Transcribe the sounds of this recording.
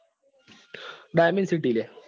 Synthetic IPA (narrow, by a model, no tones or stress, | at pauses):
ɖajmɐnɖsiʈ̬ːiile